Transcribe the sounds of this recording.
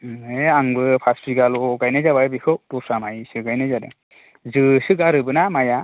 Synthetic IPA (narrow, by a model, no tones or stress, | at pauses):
eaŋbɯpʰaspʰiɡaluɡajnɯjzababikʰɯwtɔsamajsɯɡajnɯjzadɯ̰ | zɯsɯɡaɾɯbɯnamaja